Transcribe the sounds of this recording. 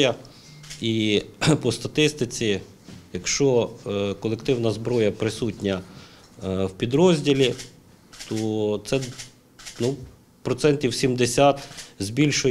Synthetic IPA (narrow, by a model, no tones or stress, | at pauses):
ɐ | ipɔst̪ɐt̪ɪst̪ɪt͡sʲi | jɐkʃt͡ʃɔkɔlˠekt̪ɪwnɐzbɾɔjɐpɾɪsutʲnʲɐ | wpʲid̪ɾɔzʲdʲilʲi | t̪ɔt̪sɛ | nu | pɾɔt̪sɛntʲiwsʲimd̪esʲat̪zʲbʲilʲʃʊ